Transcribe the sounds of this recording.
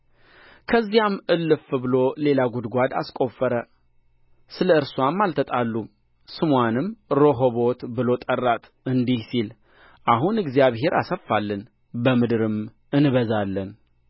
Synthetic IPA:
kʰəzːijamʔɨlːɨfɨbɨlo̞le̞laɡud̪ɡʷad̪a̰skʼo̞fːəɾə | sɨləɨɾswamːalt̪ʰət̪ʼalːu | sɨmwanɨmɾo̞ɦoβo̞t̪bɨlo̞t̪ʼərːat̪ʰʼ | ɨnd̪ihsil | ʔaɦunɨɡzijaβɦe̞ɾa̰səfːalːɨn | bəmɨd̪ɨɾɨm | ɨnβəzalːən

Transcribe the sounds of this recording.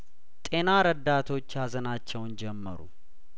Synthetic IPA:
t̪ʼe̞naɾəd̪ːat̪ʰo̞t͡ʃːjazənat͡ʃːɛwnd͡ʒɛmːə̰ɾṵ

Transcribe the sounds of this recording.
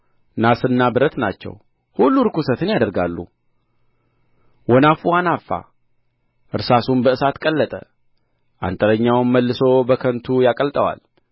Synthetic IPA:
nasɨnːabɨɾət̪nat͡ʃːɛ̰w | hulːuɾɨkusət̪ɨnjad̪əɾɡalːṵ | wɔnafuanafːa̰ | ʔɨɾsasunbəɨsat̪kʼəlːət̪ʼə̰ | ʔa̰nt̪ʼəɾəɲːawnməlːɨso̞bəkʰənt̪ʰujakʼəlt̪ʼəwa̰l

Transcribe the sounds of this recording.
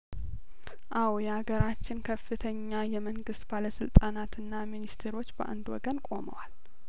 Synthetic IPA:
ʔawjɛaɡəɾat͡ʃːɪnkʰəfːɨt̪ʰəɲːajɛməŋɡɨst̪baləsɨlt̪ʼanat̪ɨnːaminist̪ʰeɾo̞t͡ʃːbəʔa̰nd̪wɔ̰ɡənkʼo̞mə̰wal

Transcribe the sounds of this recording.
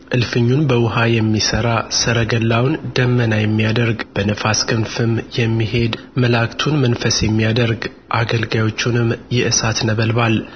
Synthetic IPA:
ʔɨlfɨɲːunbəwʊɦajɛmːisəɾasɨɾəɡəlːawnd̪əmːənajɛmːijad̪əɾɡb̥ənəfaskʰɨnfɨmjɛmːiɦe̞d̪ | məlakt̪ʰunmənfəsjɛmːijad̪əɾɡ | ʔaɡəlɡajo̞t͡ʃːunɨmːjɪʔɨsat̪nəβəlbal

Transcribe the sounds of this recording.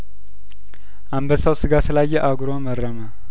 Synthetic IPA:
ʔambəsawsɨɡasɨlajːɛʔaɡɾomərːəmə

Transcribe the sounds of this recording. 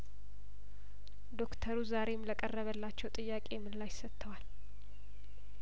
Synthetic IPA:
d̪o̞kt̪ʰəɾuzaɾe̞mləkʼərːəβəlːat͡ʃːɛwt̪ʼɨjːakʼe̞jɛmːɨnlajsət̪ʰːəwal

